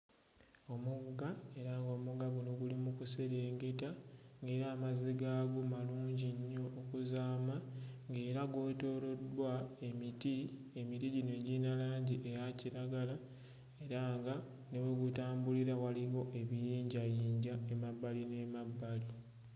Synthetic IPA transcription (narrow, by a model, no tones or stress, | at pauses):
o̞muɡae̞ɾaŋɡo̞ːmuɡaβunoɡulimukuseɾe̞ːŋɡe̞taŋɡe̞ːɾaːmaziɡaːɡomaluːɲɟiɲːo̞ːkuzaːmaŋɡe̞ːɾaɡwo̞ːto̞ɾo̞dwae̞miti | e̞mitiɟine̞ɟinalaːɲɟiʔejaciɾaɡala | e̞ɾaːŋɡa | ne̞weɡutaːmbuliɾawaliɣo̞ʔe̞βijiːɲɟajiːɲɟae̞mabːaline̞mabːali